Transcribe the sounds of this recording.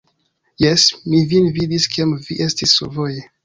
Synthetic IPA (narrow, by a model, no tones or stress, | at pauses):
jesmivinvidiskiemviʔestisːovoje